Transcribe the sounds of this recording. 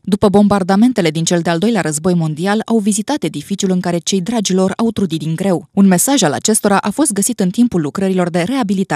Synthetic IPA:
d̪upəbo̞mbard̪ame̞nt̪e̞le̞d̪int͡ʃe̞ld̪eald̪o̞jleaɾəzbo̞jmo̞nd̪ialawvizit̪at̪e̞d̪ifit͡ʃiulɨŋkaɾe̞t͡ʃe̞jd̪ɾad͡ʒilo̞ra̰wt̪ɾud̪it̪d̪iŋɡɾe̞wunme̞saʒala̰t͡ʃe̞st̪o̞ɾaʔafo̞st̪̚ɡəsit̪ɨnt̪impulːukɾəɾilo̞rd̪e̞ɾe̞abilit̪at

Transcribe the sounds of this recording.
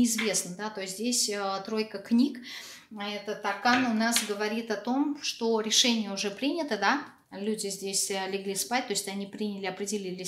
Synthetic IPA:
ɪɪzvʲe̞snəd̪at̪o̞jɪsʲzʲdʲesʲət̪ɾo̞jkəknʲik | ɛt̪ət̪ɐkanʊnasɡəvɐɾʲit̪ɐt̪o̞mʂt̪o̞ɾʲɪʂɛnʲɪjəʊʐɛpɾʲinʲɪt̪əd̪a | lʲudʲɪzʲdʲesʲlʲɪɡlʲispat̚ʲt̪o̞jɪsʲt̪ʲɐnʲipɾʲinʲɪlʲɪɐpɾʲɪdʲɪlʲilʲɪ

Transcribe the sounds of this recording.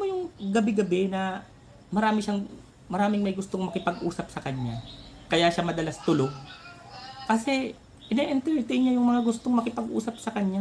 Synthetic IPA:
mojʊŋɡɐbɪɡɐbɛnɐ | mɐɾaːmɪʃaŋ | mɐɾaːmɪŋmɐjɡʊst̪oŋmɐkɪpɐɡʔuːsɐp̚sɐkɐɲːa | kɐjaʃamɐd̪ɐlasɐ̥t̪ʊloɡ | kɐsɛ | ʔɪneʔɛnt̪ɛɹt̪ɛjnɲajʊŋmɐŋaɡʊst̪oŋmɐkɪpɐɡʔṵːsɐp̚sɐkɐɲːa

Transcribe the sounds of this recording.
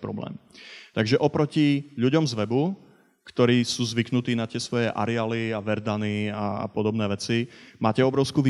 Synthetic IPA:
pɾɔ̰blɛ̰ːmt̪aɡʒɛʔɔpɾɔciʎuɟɔmzʋɛbu | kt̪ɔɾiːsuːzʋiknut̪iːnat̪ɪɛsʋɔjɛʔa̰ɾɛaliaʋɛɾd̪aniaa̰pɔd̪ɔbnɛːʋɛt͡simaːcɛɔbɾɔʊskuːʋ

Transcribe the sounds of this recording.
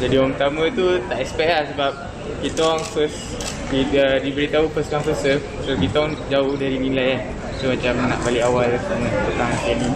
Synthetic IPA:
d͡ʒadiɔpət̪amə̃t̪ut̪aʔɛkspɛk̚lahsəbap̚ | kit̪waŋfəs | iədibəɾit̪aupəskaŋfəsə | sokit̪aɔŋd͡ʒaʊhdaɾinĩlajan | somãt͡ʃamnãʔbaliawalsamə̃t̪ət̪aɦankɛni

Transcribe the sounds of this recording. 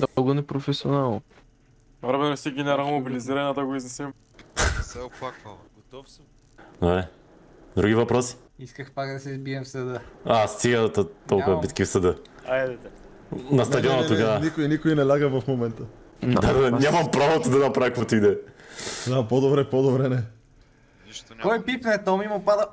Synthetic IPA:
d̪ɔɡʊnɛpɾofɛsionalˠno | aɾbɛnosiɡʲɛnɛɾanomobiliziɾɐnad̪ɐɡoiznɛsɛm | pak | t̪ | d̪obɾɛ | d̪ɾuɡ̟ivɐpɾɔsi̥ | iskəxpakd̪ɐsɛzbiɛmfsɐd̪əast̪iɡət̪t̪ɔlˠɐbit̪kifsɐd̪ə | nɐsd̪ɐd̪iɔnɐt̪oɡanikoinikoinɛlʲaɡəvɐfmomɛnt̪ə | d̪ad̪nʲamɐmpɾavot̪od̪ɐnɐpɾaikot̪id̪ɛ | d̪apod̪obɾɛpod̪obɾɛnɛ | kɔjpipnɛt̪ɔmimopad̪ə

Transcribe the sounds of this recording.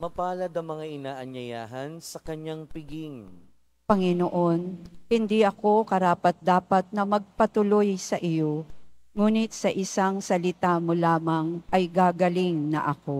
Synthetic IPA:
mɐpaːlɐd̪ɐŋmɐŋaʔɪnaːʔɐɲːɐja̰ːɦɐnsɐkɐɲːaŋpɪɡiŋ | pɐŋɪnoʔo̞nhɪnd̪iʔɐko̞kɐɾaːpɐt̪̚d̪aːpɐt̪̚nɐmɐɡ̚pɐt̪ʊlojsɐʔɪjo̞ŋuːnɪt̪̚sɐʔɪsaŋsɐlɪt̪amolaːmɐŋʔɐjɡaːɡɐlɪŋnɐ̰ʔɐko̞

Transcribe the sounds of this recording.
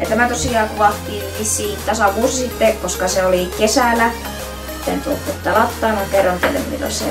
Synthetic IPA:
jɑt̪æmæt̪osiɑːkuʋɑht̪iːnʋisːiit̪t̪ɑsɑʋuːsisit̪ːekoskɑseolikesælæ | t̪ːent̪uo̰t̪ːet̪ːɑlɑt̪ːɑːmɑŋkerːɑnt̪ḛlḛmmḭlːo̰sḛ

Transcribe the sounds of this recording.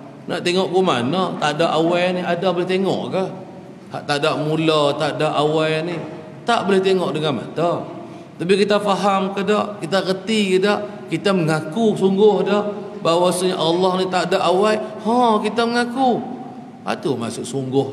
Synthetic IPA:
na̰ʔt̪eŋɔʔkuma̰nat̪aʔdaʔawajaniadabəlɪht̪eŋɔ̰ʔkəh | ha̰ʔt̪adaʔmulat̪aʔdaʔawajani | t̪aʔbəlɪht̪eŋɔʔdəŋanma̰t̪a | t̪ap̬ikit̪afaɦamkədaʔkit̪aɣət̪ikədaʔ | kit̪aməŋakusuŋɡʊhdahbawasuɲaʔalːɑhnit̪aʔdaʔawaihɔ̃kit̪aməŋaku | a̰t̪umasʊʔsuŋɡʊh

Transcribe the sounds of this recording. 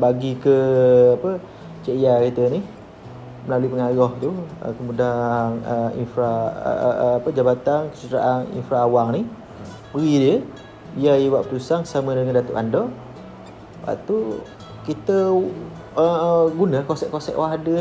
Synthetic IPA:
baɡikəapə | t͡ʃəʔiakit̪ənih | məlaluipəŋaɾɔht̪uə̰kəmudanəḭnfɾa̰ | apəd͡ʒabat̪ankə̥t͡ʃut̪əɾa̰ʔanḭnfɾaːwaŋnih | bəɡidiə | biajiwaʔpəɾusaŋsamə̃dəŋandat̪uʔandɔ | pa̰t̪u | kit̪ə | əɡunə̃kosɛʔkosɛ̰ʔwaɦadə

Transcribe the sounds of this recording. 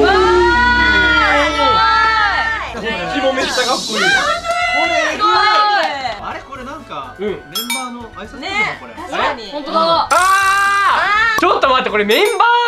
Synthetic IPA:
kʲimomet̪aɡakːoeao | aɾeko̞ɾenãŋkaɯ̟̃mẽmbanoaisakoɾeiõnt̪od̪aa | t͡ɕot̪ːomat̪ːeko̞ɾemẽ̞mbaː

